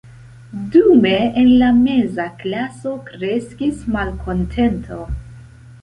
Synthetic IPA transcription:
dume̞enlame̞zaklaso̞kɾe̞skismalkʰo̞ntʰe̞ntʰo

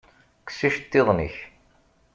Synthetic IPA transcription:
ksiʃt̪ːeðˤnḭç

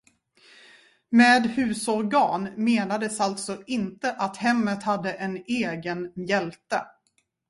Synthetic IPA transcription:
meːd̪hʉ̟ːsɔɾɡɑːnmeːnad̪əsalt̪sɔɪnt̪əʔat̪hɛmːət̪had̪ːəʔɛneːɡənjɛlt̪ə

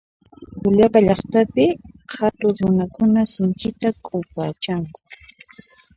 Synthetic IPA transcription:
ʊʎapaʎɑχt̪apɪhat̪ʊɾʊnakʊnasɪnt͡ʃɪt̪akʼʊpaːt͡ʃaŋkʊ̥

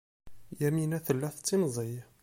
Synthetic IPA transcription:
jæminæθəlːæθt͡sːinzˤəj

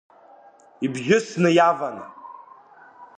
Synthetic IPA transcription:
ibʒʲɪsnɨjavanɨ̰

